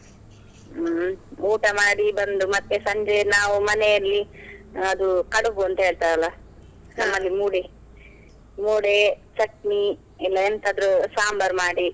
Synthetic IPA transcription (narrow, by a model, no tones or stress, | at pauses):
uːʈɐmaːɽibɐnd̪umɐt̪ːesɐɲd͡ʒenaːʋumɐnejɐlːiɐd̪ukɐɽuʋuɐnt̪ɐɦe̞ːɭt̪ajɐlːɐ | nɐmːɐlːimuːɽe | muːɽet͡ʃɐʈ̚ni | ilːɐent̪ʰaːd̪ɾusaːmbɐɾmaːɽi